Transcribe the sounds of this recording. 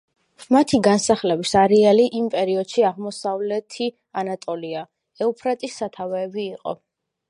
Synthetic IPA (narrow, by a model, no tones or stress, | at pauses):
mat̪ʰiɡansaχlɛbisaɾɛaliʔimpʼɛɾiɔd̪̥ʃiaʁmɔsavlɛt̪ʰi | anat̪ʼɔlia | ɛupʰɾat̪ʼisːat̪ʰavɛːbiːqʼɔ̰